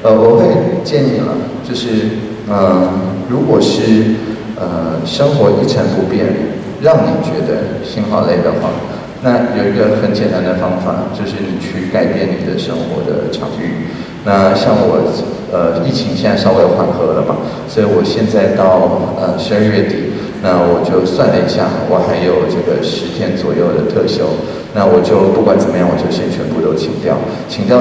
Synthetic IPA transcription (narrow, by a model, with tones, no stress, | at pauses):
ə˧wɔ˨˩xe˥˩ɪt͡ɕjɛ˥˧ni˥˩nlə̰˩t͡ɕjo˥˧ʊʂɻ̩˥˩ | ə˧˩ɻu˧˥kwɔ˨˩ʂɻ̩˥˩ | ə˧ʂɤ˥ŋxwɔ˧˥ʔi˥˩ʈ͡ʂʰə˧˥npu˧˥pjɛ˥˩n | ɻɑ˥˩ŋni˨˩t͡ɕɥɛ˧˥d̪ə̰˧ | ɕi˥nxɑ˥˩ʊle˥˩ɪd̪ə˩xwɑ̰˥˩ | na˥˩jo˨˩ʊi˧˥ɡə˧xə˨˩nt͡ɕʰjɛ˨˩na˧˥nd̪ə˧fɑ˥ŋfa̰˨˩t͡ɕjo˥˧ʊʂɻ̩˥˧˨t͡ɕʰy˥˩ka˥˩ɪpjɛ˥˩nnḭ˨˩d̪ə̰˦ʂɤ˥ŋxwɔ̰˧˥d̪ə̰˧ʈ͡ʂʰɑ̰˨˩˦ŋy̰˥˩ | na˥˩ɕjɑ˥˩ŋwɔ˨˩ | ə˧i˥˩t͡ɕʰi˧˥ŋɕɛ˥˩na˥˩ʂɑ˥ʊwe˥˩ɪ˧˩˥xwa˥˩nxɤ˧˥lə̰˨bɐ̰˩swɔ˧˥i˧˥wɔ˨˩ɕjɛ˥˧nt͡sa˥˧ɪt̪ɑ˥˩ʊə˧ʂ̩˧˥ə˥˧ɥɛ˥˩t̪i˨˩˦ | na˥˩wɔ˨˩t͡ɕjo˥˧ʊswa˥˧˩nlə˩ḭ˨˩ɕja̰˥˩wɔ˨˩xa˧˥ɪjo˨˩ʊʈ͡ʂɤ˥˩ɡə˩ʂɻ̩˧˥t̪ʰjɛ˥nt͡swɔ˨˩jo˥˩ʊd̪ə˩t̪ʰɤ˥˧ɕjo˥ʊ | na˥˩wɔ˨˩t͡ɕjo˥˧ʊpu˥˩kwa˨˩nt͡sə˨˩mə˦jɑ˥˩ŋwɔ˨˩t͡ɕjo˥˩ʊɕjɛ˥˧nt͡ɕʰɥɛ˧˥npu˥˩t̪o˥ʊt͡ɕʰi˨˩˦ŋt̪jɑ˥˩ʊ | t͡ɕʰi˧˥ŋt̪jɑ˥˧